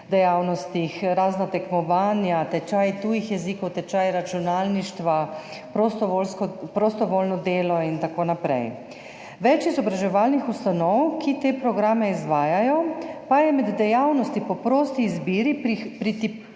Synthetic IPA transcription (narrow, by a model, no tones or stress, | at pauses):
d̪ɛjawnɔst̪ixɾaːznat̪ɛkmɔʋaːnjat̪ɛt͡ʃajt̪uːjixjɛziːkɔwt̪ɛt͡ʃaːjɾat͡ʃunaːlniʃt̪ʋa | pɾɔst̪ɔlskpɾost̪ɔʋoːlnɔd̪eːlɔint̪akoːnapɾɛ̰j | ʋɛt͡ʃizɔbɾaʒɛʋaːlnixust̪anɔwkʰit̪eːpɾɔɡɾamɛizʋaːjajɔpajɛmɛd̪ːɛjawnɔst̪ipɔpɾoːst̪iːzbiːɾipɾit̪i